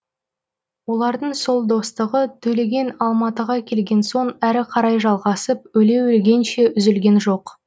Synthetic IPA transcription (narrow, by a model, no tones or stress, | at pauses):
wo̞lˠɑɾd̪əɴso̞lˠd̪o̞st̪əʁət̪ʰɵle̞ɡʲe̞nɑlˠmɑt̪əʁɑkʲʰe̞lɡʲe̞nso̞ɴæɾɪqʰɑɾɑjʒɑlˠʁɑsəp̚ɵle̞wɪlɡʲe̞nʃe̞ʔʏzɪlɡʲe̞nʒo̞q